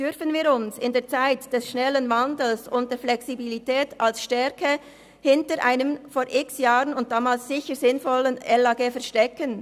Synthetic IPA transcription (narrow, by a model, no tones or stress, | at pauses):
d̥ʏʁfənviːɾʊnsɪndeːɐt͡saɪtd̥ɛsʃnɛlənvandl̩sʊntd̥eːɐflɛksibilitʰɛːtalsʃtɛɐkə | hɪntəɾʔaɪnəmfoːɾʔɪksjaːʁənʊnt̚d̥aːmaːlssɪçəɾzɪnfɔlənɛlaɡeːfɛɐʃtɛkən